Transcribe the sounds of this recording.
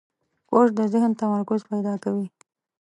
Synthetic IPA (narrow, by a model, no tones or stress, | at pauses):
oʂd̪əzɪhnt̪amaɾkʊzpajd̪ɑkawi